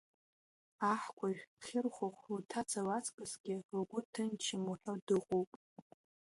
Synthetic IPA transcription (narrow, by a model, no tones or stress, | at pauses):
aħkʷʰʼaʒᶣχʲɪrχʷʊχʷutʰat͡sʰawat͡sʰʼkʼɨsɡ̥ʲɪrɡʷʊtʰɨnt͡ʃʰɪmuħʷᶣodɨqʷʼowpʼ